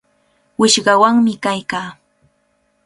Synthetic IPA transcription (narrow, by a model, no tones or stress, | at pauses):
wɪʃɢɑwaŋmɪkajkaː